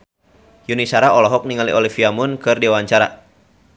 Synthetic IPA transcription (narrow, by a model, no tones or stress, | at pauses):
junisaɾaɔlɔɦɔk̚niŋalḭʔɔlifiamʊnkɨrdiwaɲt͡ʃaɾa̰